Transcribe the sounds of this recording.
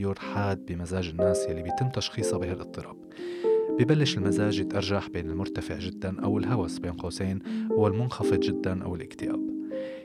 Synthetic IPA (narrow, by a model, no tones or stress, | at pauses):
juːɾħaːd̪̚bɪmazaːʒɪnːaːsjalːibijt̪ɪmːt̪aʃxiːsˤɑbɪɦalʔɨt̪ˤːɨɾˤɑːb | bɪbalːɪʃɪlmazaːʒjɪt̪ʔɑɾˤʒaħbeːnɪlmʊɾt̪afɪʕʒɪd̪ːanʔa̰wɪlɦawasbeːnqɑːseːnʔwɪlmʊnxɑfɨd̪ˤʒɪd̪ːanʔa̰wɪlʔɪkt̪ɪʔa̰ːb̚